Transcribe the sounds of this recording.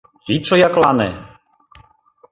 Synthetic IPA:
it͡ʃɔjaklanɛ̰

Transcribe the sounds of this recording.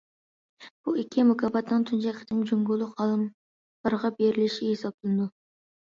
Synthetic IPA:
b̥uɪkʲʰːɪmʊkʰɑbɑt̪nɨŋt̪ʰynd͡ʒɛkʲʰɪ̥t̪ʰɪŋd͡ʒoŋɡʊlˠːʊqɑlˠɨm | b̥ɑɾʁɑb̥eɾɪlɪʃɪhesɑp̚t̪ʰɨlˠnɨd̪u

